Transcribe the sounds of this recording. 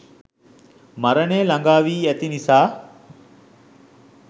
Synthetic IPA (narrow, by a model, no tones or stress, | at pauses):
maɾəneːlaŋɡaːʋiːæt̪inisaː